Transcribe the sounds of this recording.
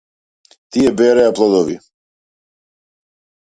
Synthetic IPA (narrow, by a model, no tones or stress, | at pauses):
t̪ijɛbɛːɾɛjaplˠɔd̪ɔʋi